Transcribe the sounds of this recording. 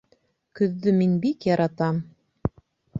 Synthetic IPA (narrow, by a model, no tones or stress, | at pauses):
kɵ̆ðːɵminbikjɑɾʔɑt̪ɑm